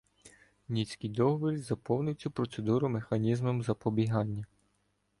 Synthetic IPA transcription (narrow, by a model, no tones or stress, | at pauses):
nʲit͡sʲkʲijd̪ɔɦɔʋɔɾʲizɐpɔwnʊjt͡sʲːʊpɾɔt̪se̞d̪uɾʊmexɐnʲizmɔmzɐpɔbʲiɦɑnʲːɐ